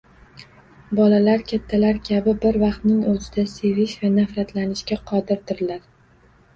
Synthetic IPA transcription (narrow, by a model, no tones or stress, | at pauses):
bɒlalaɾkʲʰat̪ʰːalaɾkʲʰabɪbɪɾvɑqt̪nɪŋɵzɪd̪ase̞vɪʃvanafɾat̪lanɪʃkʲaqʰɒd̪ɪɾd̪ɪɾɪlaɾ